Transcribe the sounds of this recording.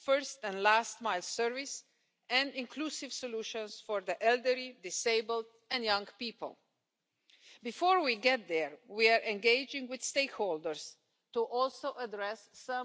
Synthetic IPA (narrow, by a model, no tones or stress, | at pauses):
fɜ˞stɛ̃nlæst̚maɪlsɜɹvis | ɛ̃nɪ̃nkʰlusɪv̥sɔluʃə̃nsfɔɹðiʔɛlˠdəɹidɪseɪbəlˠd | ɛ̃njʌ̃ŋpiːpə̰lˠ | bifɔɹwiɡɛt̪̚ðɛɹwiaɹʔɛ̃nɡeɪd͡ʒɪ̃ŋɡwɪð̥steɪkholdəɹs | tuʔɔlˠsoʊʔədɹɛsːʌ̃